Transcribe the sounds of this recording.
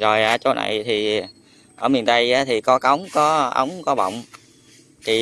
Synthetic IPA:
zo˨˩jʔaː˧˩t͡ɕo˧˦na̰˧˨jt̪ʰi˨˩ | ʔəː˧˩mi˨˩nt̪ə˧jʔaː˨˦t̪ʰi˨˩kɔ˨˦kə˨˦wŋ͡mkɔ˨˦ʔə̰˨˦wŋ͡mkɔ˨˦ɓə̰˧˨wŋ͡m | t̪ʰi˨˩

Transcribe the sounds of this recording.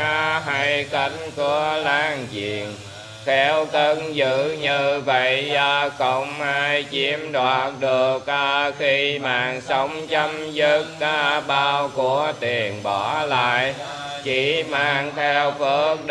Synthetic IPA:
a˧˦ɦaː˧jka˧˩ŋ̟ku˧˩˦əlaː˧ŋt͡ɕḭ˧˨˩ən | xʰɛ˧wkə˧nzɨ̰˧˨ɲɨ˧və˧˨jəː˧kə˧˦wŋ͡mhaː˧jt͡ɕi˧˦əmɗwaː˨˩t̚ɗɨ˨˩ək̚ʔəː˧xi˧maː˨˩ŋsə˧˦wŋ͡mt͡ɕə˧mzə˦˥k̚ːa˧˦ɓaː˧wku˧˦ət̪i˨˩ənɓɔ˧˩la̰ː˧˨j | t͡ɕi˧˩maː˨˩ŋt̪ʰɛ˧wkə˦˥ək̚ɗ

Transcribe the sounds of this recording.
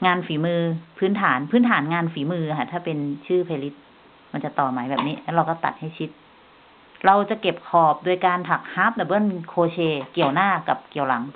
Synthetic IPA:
ŋaː˧nfiː˩˦mɯː˧pʰɯː˦˥nt̪ʰaː˩˦npʰɯː˦˥nt̪ʰaː˩˦nŋaː˧nfiː˩˦mɯː˧ʔɦa˨˩t̪ʰaː˥˩pe˧nt͡ɕʰɯː˥˩pʰa˧li˦˥t̪̚ | ma˧nt͡ɕa˨˩t̪ɔː˨˩maː˨˩˦jbɛː˨˩p̚niː˦˥lɛː˦˥ɾa˧wkɔ˥˩t̪a̰˨˩t̪̚ha˥˩jt͡ɕʰi˦˥t̪̚ | ɾa˧wt͡ɕa˨˩ke˨˩p̚kʰɔː˨˩p̚du˧əjkaː˧nt̪ʰa˨˩k̚haː˦˥p̚la˨˧˩bɤ˥˩˨nkʰoː˧t͡ɕʰeː˧ki˨˩əwnaː˥˩ka˨˩p̚ki˨˩əwla˩˦ŋ

